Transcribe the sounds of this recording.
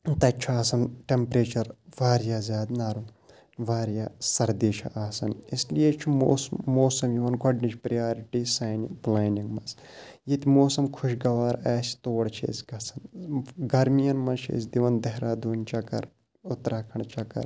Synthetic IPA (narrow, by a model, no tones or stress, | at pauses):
t̪ɐt͡ʃʰaːsɐnʈempɾeːt͡ʃɐɾʋaːɾjaːzʲjaːd̪naːɾu | ʋaːɾjaːsɐɾd̪iːʃʰɐ̰ʔaːsɐnislijet͡ʃʰuoːmoːsɐmjiʋɐnɡɐɖnit͡ʃpɾijaːɾiʈiːsaːniplaːniŋɡmɐs | jit̪moːsɐmkʰuʃɡɐʋaːɾaːsʲt̪oːʋɐɽt͡ʃʰḛːzʲɡɐsɐnɡɐɾmijɐnmɐt͡ʃʰḛːsʲd̪iʋɐnd̪ɐɦɾaːd̪uːnʲt͡ʃɐkɐ̰ɾ | ʊt̪ɾaːkʰɐɳt͡ʃɐkɐ̰ɾ